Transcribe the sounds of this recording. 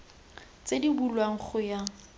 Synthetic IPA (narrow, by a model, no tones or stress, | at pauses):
t͡sedibulwaŋ̩χʊja